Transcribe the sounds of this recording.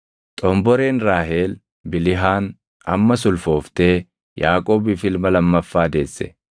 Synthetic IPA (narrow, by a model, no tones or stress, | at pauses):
t̪ʼɔmbɔɾe̞ːnɾaːɦe̞ːl | bɪlɪɦaːn | ɐ̰mːɐsʊlfo̞ːft̪e̞ː | jaːkʼo̞ːbɪfɪlmɐlɐmːɐfːaːd̪e̞ːsːɛ̥̰